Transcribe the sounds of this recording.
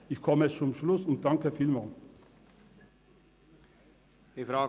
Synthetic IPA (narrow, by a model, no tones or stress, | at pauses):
ɪçkʰɔmət͡sʊmʃlʊsʊnt̪̚d̥̪ɑŋkəfiːlmɑːl | efɾa